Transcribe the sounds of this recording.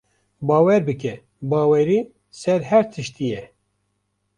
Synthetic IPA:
bɑːwɛɾbɨkɛ | bɑːwɛɾiː | sɛɾɦɛɾt̪ʰɨʃt̪ijɛ

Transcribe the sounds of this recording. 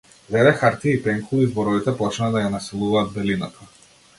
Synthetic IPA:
vɛdɛxaɾt̪iːpɛŋkulˠizbɔɾɔvit̪ɛpɔt͡ʃnad̪ajanasɛlˠuvaːd̪̚bɛlinat̪ʰḁ

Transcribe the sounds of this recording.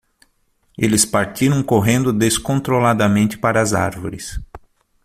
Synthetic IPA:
elɪspaɾt͡ʃ̪iɾɐ̃w̃koɦẽnd̪ʊd̪eskõnt̪ɾolad̪ɐmẽnt̪ɪ̥paɾɐza̰ɾvo̰ɾɪs

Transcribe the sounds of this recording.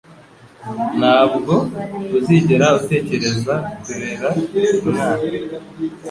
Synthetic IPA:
n̥haːbɡo̞uziɟeɾaute̞ːce̞ɾe̞zakuɾeɾauβuɾaːne

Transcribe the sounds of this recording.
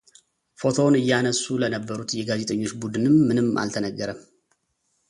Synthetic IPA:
fo̞t̪ʰo̞nɨjːanəsːulənəbːəɾut̪jɛɡaze̞t̪ʰʼəɲːo̞t͡ʃːbud̪ɨnɨmːɨnɨmːʔa̰lt̪ʰənəɡːəɾəm

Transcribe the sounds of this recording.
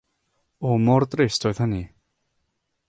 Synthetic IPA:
ɔmɔrdrɪstʰɔjð̥həni

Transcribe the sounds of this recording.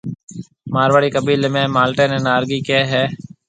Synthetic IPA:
maːɾʋaːɽiːkəbʱiːlemẽːmaːlʈeːnẽːnaːɾɡiːkeːɦɛː

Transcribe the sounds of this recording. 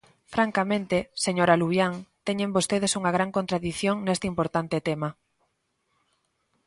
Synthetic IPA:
fɾaŋkamẽnt̪eseɲoɾaluβjaŋt̪ɛɲembost̪eðesuŋɐɣ̞ɾaŋkõnt̪ɾaðiθjoŋnest̪eimpoɾt̪ant̪ɪt̪ema

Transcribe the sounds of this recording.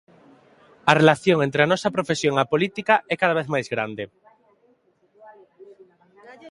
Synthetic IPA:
ɐrelaθjõŋẽnt̪ɾeanɔsapɾofesjoŋapolit̪ikaʔɛkað̞aβ̞eθmajzɣɾa̰nd̪e

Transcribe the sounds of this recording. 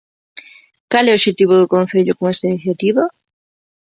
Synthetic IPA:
kalɛoʃet̪iβ̞oðokõn̟θeʎokoŋest̪ainiθjat̪iβa

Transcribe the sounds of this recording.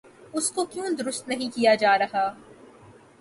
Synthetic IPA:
ʊskokjũːd̪ʊɾʊst̪nɐɦĩkijad͡ʒaːɾɐɦaː

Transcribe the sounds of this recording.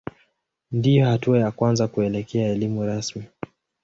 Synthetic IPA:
ndijɔhatuajakwanzakuɛlɛkɛaɛlimuɾasmi

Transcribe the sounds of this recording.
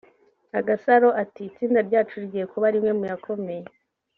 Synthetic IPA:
aɡasaɾo̞ʔatiːt͡siːndaɾɟaːt͡ʃuɾɟije̞kuβaɾimŋe̞mujakʰo̞me̞je

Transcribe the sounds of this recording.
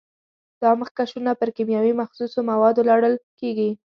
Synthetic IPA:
d̪̥ɑməxkaʃunapəɾkimjɑwimaxsusomawɑd̪olɑɽəlkeɡi

